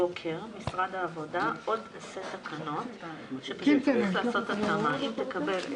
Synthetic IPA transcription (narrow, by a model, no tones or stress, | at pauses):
okʰe̞ʁmisʁad̪aːvo̞daʔo̞deset̪akʰano̞tʃepʃutiflaːso̞t̪at̪amaʔimt̪e̞kabel